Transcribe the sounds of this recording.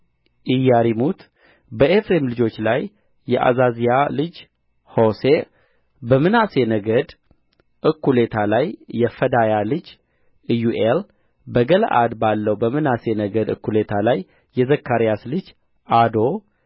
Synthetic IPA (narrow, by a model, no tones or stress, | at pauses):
ʔɪjːaɾimut̪ | bəʔefɾemlɨd͡ʒo̞t͡ʃːlajː | ɛʔa̰zazijalɨd͡ʒ | ho̞se | bəmɨnase̞nəɡəd̪ | ʔɨkʰːule̞t̪ʰalajːɛfəd̪ajalɨd͡ʒ | juʔel | bəɡələ̰ʔa̰d̪balːəwbəmɨnase̞nəɡəd̪ɨ̰kːule̞t̪ʰalajː | ɛzəkːaɾijaslɨd͡ʒ | ad̪o̞